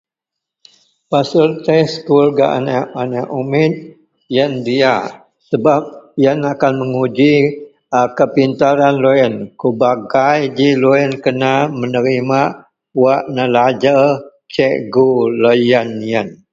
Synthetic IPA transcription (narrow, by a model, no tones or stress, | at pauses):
pasʊlt̪ɛskulɡa̰ʔa̰naʔanaʔumɪt̪̚ | jəndia | səbap̚jənakanməŋud͡ʒi | kəpint̪aɾanlojənkubaɡajd͡ʒiloənkənamənəɾima | waʔnəlad͡ʒə | t͡ʃɛʔɡulojənijən